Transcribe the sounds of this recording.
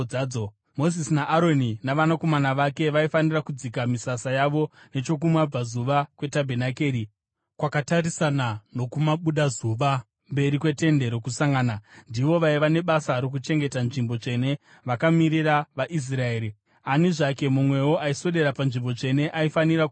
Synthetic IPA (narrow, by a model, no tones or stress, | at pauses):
o | mo̞zisinaʔːɾo̞ninaʋanako̞manaʋake̞ʋaifanirakud͡zikamisasajaʋo̞ | ne̞t͡ʃo̞k̬umwab͡vazuʋakwe̞tabʱe̞nake̞ːɾi | kwakataɾisanano̞kumaɓuɗazuʋa | mbe̞ɾikwe̞te̞nde̞ɾo̞kusaŋɡaːnandiʋo̞ʋaiʋane̞ɓasaɾo̞k̬ut͡ʃe̞ŋɡe̞tanʐimbo̞t͡ʂe̞ne̞ | ʋakamiɾiraʋaʔis̬rae̞ːɾi | aniʐake̞mumwe̞woʔaiso̞ɗe̞ɾapanʐimbo̞t͡ʂe̞ne̞ʔaifanira